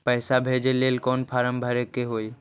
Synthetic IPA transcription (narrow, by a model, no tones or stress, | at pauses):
pəɪsabʱed͡ʒeleːlkɔːnpʰaɾəmbʱəɾekeɦoj